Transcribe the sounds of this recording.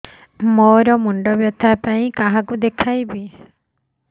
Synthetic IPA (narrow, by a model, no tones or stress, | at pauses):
mɔɾɔmuɳɖɔbjɔt̪ʰapaĩkaɦakud̪ekʰajbi